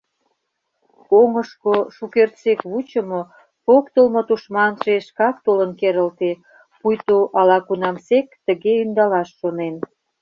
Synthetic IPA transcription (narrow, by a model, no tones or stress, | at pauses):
oŋəʃkoʃukert̪t͡sekβut͡ɕəmo | pokt̪əlmŏt̪uʃmɑnʃeʃkɑk̚t̪olənkeɾəlt̪e | pujt̪oʔɑlɑkunɑmsekt̪ə̆ɣeynd̪ɑlɑʃːonen